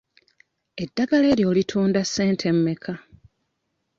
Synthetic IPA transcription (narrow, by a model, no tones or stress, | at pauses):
e̞dːaɡale̞ːɾjo̞ːlitʰuːndasːe̞ːntʰe̞mːe̞kʰa